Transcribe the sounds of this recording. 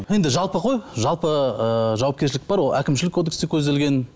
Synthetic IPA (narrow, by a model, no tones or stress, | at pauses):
je̞nd̪ɪʒɑlˠpəqʰo̞jʒɑlˠpəəʒɑwɑpkʲe̞ɾʃɪlɪk̚bɑɾwolˠækʲɪmʃɪlɪkʰːo̞d̪ekst̪e̞kʲʰɵzd̪e̞lɡʲe̞n